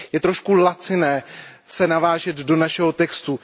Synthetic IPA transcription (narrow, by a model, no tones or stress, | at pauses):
jɛt̪ɾoʃkulat͡sɪnɛːsɛnavaːʒɛd̪do̞naʃɛɦo̞t̪ɛkst̪u